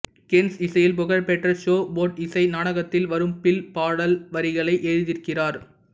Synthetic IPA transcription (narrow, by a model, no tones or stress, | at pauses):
kɪnsɪsɐjɪlpʊɣɐɾpɛʈːɐʃoːboːʈɪsɐɪnaːɽɐɣɐt̪ːɪlʋɐɾɯmpɪlpaːɽɐlʋɐɾɪɣɐɭɐɪʔeːɻɯðɪɾkɪraːɾ